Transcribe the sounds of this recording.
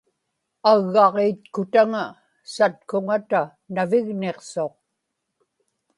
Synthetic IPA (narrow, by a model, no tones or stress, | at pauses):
aɣːɑʁeːt̪kʊt̪aŋa | sat̪̚kʊŋat̪a | navɪɣneqso̞q̚